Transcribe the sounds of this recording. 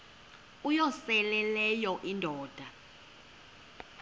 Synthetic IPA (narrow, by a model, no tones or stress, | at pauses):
ujɔsɛlɛlɛjɔʔindʱɔːd̥ʱa